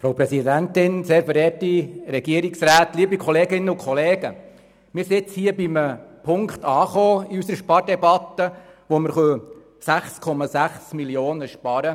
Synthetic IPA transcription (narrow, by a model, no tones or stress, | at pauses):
fɾowpɾɛsidænt̪ɪnseːɾfɛɾɛːtiɾɛɡiəɾiksɾæːtliːəbikʰɔleːɡɪnːəʊkχɔleːɡ̥ə | mɪːɾsɪt͡shiːəbiməpʰʊŋkt̪ɑːχoːiysəɾəʃpɑɾdɛbɑt̪ːəʋoməɾχœː | sæχskʰɔmɑsæχsmiljoːnəʃpɑɾə